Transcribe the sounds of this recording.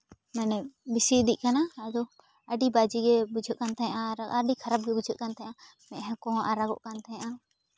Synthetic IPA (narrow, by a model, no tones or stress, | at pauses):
mɛnɛbisid̪ic̚ˀkanaːd̪ɔ | əɖibad͡ʒiɡɛbud͡ʒʱəʔ̪̚kant̪aɲaʔaɾaɖikʰaɾab̚ɡɛbud͡ʒʱət̪̚kant̪aɲaʔa | mɛ̃ʔɦɛ̃kɔɦɔ̃ʔaɾaɡɔ̰ʔkant̪aɲaʔa